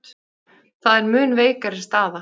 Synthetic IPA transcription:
θaðɛɾmʏːnveːjkaɾɪst̪aːða

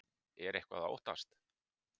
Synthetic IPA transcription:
ɛɾehkva̰ðao̰wht̪a̰st̪

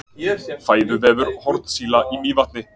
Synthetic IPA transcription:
faːjðʏvɛːvʏɾhɔɾt̪nsiːlaʔimiːvaht̪nɪ

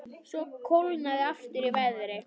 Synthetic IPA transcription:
sɔkʰowlnaðɪaft̪ɪɾivajðɾɪ

